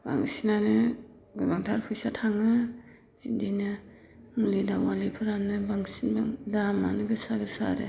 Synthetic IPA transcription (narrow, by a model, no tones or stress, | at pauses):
ba̰ŋsinanɯ | ɡɯbaŋtʰaɾpʰujsatʰaŋɯ | idinɯ | ɯŋlidawwalipʰɯɾanɯbaŋsinbaŋdama̰nɯɡɯsaɡɯsa̰ɾḛ